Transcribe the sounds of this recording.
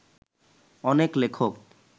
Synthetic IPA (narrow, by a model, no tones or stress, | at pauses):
ɔneklekʰok̚